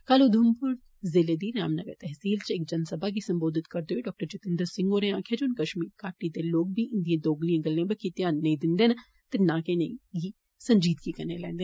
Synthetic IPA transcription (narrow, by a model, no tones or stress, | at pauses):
kaːloːd̪ʱʊmpʊɾ | zɪleːd̪iːɾa̰ːmnəɡə̰ɾt̪ɛɦsiːlt͡ʃɪkd͡ʒɐnsəbaːɡiːsə̃mboːd̪ɪt̪kɐɾd̪eɦoiːɖɔːk̚ʈəɾd͡ʒʊt̪ɪ̃nd̪əɾsɪ̃ŋɡoːɾeãːkʰeːd͡ʒoːnkəʃmiːɾkaːʈid̪eːloːk̚bʱiːʔɪ̃nd̪ijãːd̪oːɡlijãːɡəlːãːbəkːit̪ɪjãːnːɐ̃ĩd̪ɪnd̪eːn | t̪ɪnãːkeneiɡiː | səɲd͡ʒiːd̪kikɐɾneːlɛ̰̃ːnd̪eː